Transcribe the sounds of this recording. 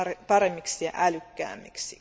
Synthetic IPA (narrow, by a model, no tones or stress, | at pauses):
epɑɾemːiksiɑ̰ʔælykːæ̰ːmːiksḭ